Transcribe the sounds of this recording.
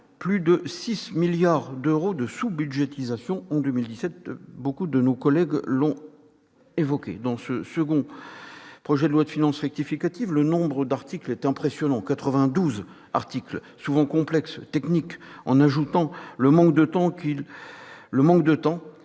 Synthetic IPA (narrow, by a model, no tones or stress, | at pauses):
plyd̪əsismiljaʁd̪øʁod̪əsubyd̪ʒet̪izasjɔ̃ɑ̃d̪ømild̪isɛt̪̚bokud̪ənokɔlɛɡlɔ̃ | evɔkʲḛd̪ɑ̃səsəɡɔ̃ | pχɔʒɛd̪əlwad̪əfinɑ̃sʁɛk̚t̪ifikat̪ivlənɔ̃bʁəd̪aʁt̪iklɛt̪ɛ̃pχesjɔnɑ̃kat̪χəvɛ̃d̪uz | a̰ʁt̪ikl | suvɑ̃kɔ̃plɛkst̪ɛknikɑ̰̃naʒut̪ɑ̃ləmɑ̃kd̪ət̪ɑ̃kilː | əmɑ̃kd̪ət̪ɑ̃